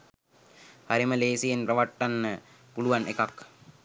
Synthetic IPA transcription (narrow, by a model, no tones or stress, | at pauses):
haɾiməleːsijenprɐʋaʈːanːə | puluʋanekak